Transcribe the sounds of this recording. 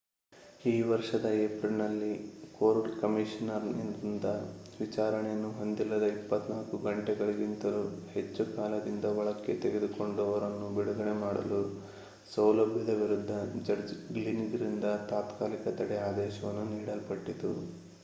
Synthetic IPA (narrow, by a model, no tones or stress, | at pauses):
iːʋɐɾʂɐd̪ɐepɾilnɐlːikoːɾɖkɐmiʃɐnɐɾnind̪ind̪ɐʋit͡ʃaːɾɐɳejɐnːuɦo̞nd̪ilːɐd̪ɐipːɐt̪naːlkuɡɐɳʈɛɡɐɭiɡint̪ɐɾuhe̞t͡ʃːukaːlɐd̪ind̪ɐʋɐɭɐkːe̞t̪eɡed̪uko̞ɳɖɔʋɐɾɐnːubiɽuɡɐɳemaːɽɐ̰lu | sɐwlɐbʱjɐd̪ɐʋiɾud̪ʱːɐd͡ʒɐɾd͡ʒɡliniɡɾind̪ɐt̪aːt̪kaːlikɐt̪ɐɽɛaːd̪ɛːʃɐʋɐnːuniːɽɐlpɐʈːit̪u